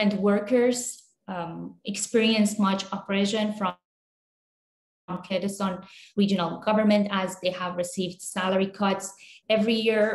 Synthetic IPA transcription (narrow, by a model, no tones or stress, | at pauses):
ə̃ntwɜɹkə˞z | ɛkspiɹiə̃nsmʌt͡ʃɔpɹeʃə̃nfɹʌ | mkʰɛdɨsə̃nɹid͡ʒə̃nəlˠɡʌvə˞mɛ̃ntæzd̪eːhævɹɪsiːvd̥sæləɹikʰɑtsɛvɹijiɹ